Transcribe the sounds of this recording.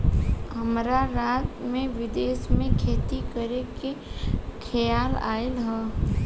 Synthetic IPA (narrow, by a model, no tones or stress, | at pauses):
ɦəmɾaɾaːt̪mẽʋɪd̪eːsmẽkʰeːt̪ikəɾekekʰəjaːla̰ːɪlɦɛː